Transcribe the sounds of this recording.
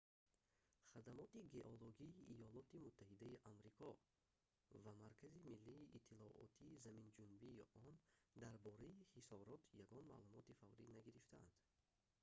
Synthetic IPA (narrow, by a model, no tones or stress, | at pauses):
χad̪amɔt̪iɡe̞ʔoloɡiːʔijɔlɔt̪imut̪ʰːahid̪aiʔamɾikʰɔ | vamaɾkʰazimilːiːʔit̪ʰːilɔʔɔ̰t̪ʰiːzamind͡ʒunbiːʔɔnd̪aɾbɔɾaihisɔɾɔt̪ʰjaɡɔnma̰ːlumɔt̪ifavɾinaɡiɾift̪aa̰nd̪̥